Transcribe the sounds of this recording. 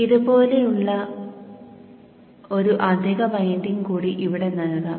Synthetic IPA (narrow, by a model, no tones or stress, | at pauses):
iðubo̞ːle̞juɭːɐ | o̞ɾuʔɐd̪ʱiɣɐmɐjndinkuːɽiʔiʋiɽe̞nɐɭnɐ